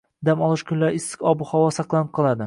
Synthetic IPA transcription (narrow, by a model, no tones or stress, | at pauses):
d̪amɒlˠɪʃkʲʰʊnlaɾɪsɪ̥kʲɒbʊhɒwɒsɑqlˠanɪp̚qʰɨlˠad̪ɪ